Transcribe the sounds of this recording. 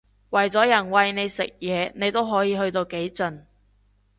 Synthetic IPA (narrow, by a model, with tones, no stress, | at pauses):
wɐ˨˩jt͡sɔː˨˥jɐ˨˩nwɐ˨jne˨˧jsɪ˨k̚jɛː˨˧ne˨˧jt̪o˥wɦɔː˨˥jiː˨˧hɵ˧ɥt̪o˧wke˨˥jt͡sɵ˧n